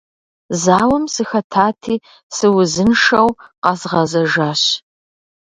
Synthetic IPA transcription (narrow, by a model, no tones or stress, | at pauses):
zaːwɐmsɨxɐtʰaːtʰiː | sɨwʊzɨnʂɐwqɑzʁɐzɐʒaːɕ